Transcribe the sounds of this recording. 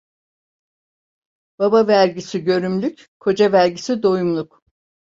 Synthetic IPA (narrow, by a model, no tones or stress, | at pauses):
b̥abavæɾɟisiɟø̞ɾymlʲycʲ | kʰo̞d͡ʒavæɾɟisid̪o̞jumlˠuk